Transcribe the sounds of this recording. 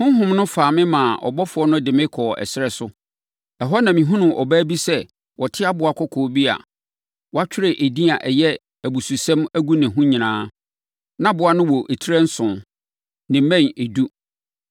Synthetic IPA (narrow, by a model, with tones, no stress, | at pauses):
hʊ̃˦ɦʊ̃˦mnʊ̃˦faː˨mɪ̃˦mã˨ʔɔ̰˨bɔ˦fʊ˨˦ɔ˦nʊ̃˦dɪ˨mɪ̃˦kʰɔː˨ɛ̰˨sɪ˦ɾɛ˦sʊ˦ | ɛ˨ɦɔ˦nã˨mĩ˨ɦʊ̃˦nʊ̃˨ʔɔ˨bæ˦bi˦sɛ˦ | wɔ˨tʰɪ˦a˦bʊ˨a˨kʰɔ˦kʰɔː˨bi˦a̰˨ | wɔ˦a˦t͡ɕᶣʰɪ˦ɾe˨ʔe˨di˦a˨ʔɛ˨jɛ˦ | æ˨bu˨su˨sɛ̃˦mæ˦ɡu˦nɪ̃˨ɦʊ̃˦ɲĩ˨nãː˨˦ | nã˦bʊ˨˦a˦nʊ̃˦wɔ˨ʔe˨tʰi˦ɾɛ˦n̩˦sʊ̃˨n | nɪ̃˨mɛ̃˦˨ne˨du˦